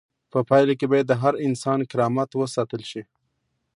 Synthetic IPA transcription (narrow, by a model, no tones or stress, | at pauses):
pəpɑjlakebɑjad̪ːəɦaɾɪnsɑnkɪɾɑmat̪wəsɑt̪əlʃi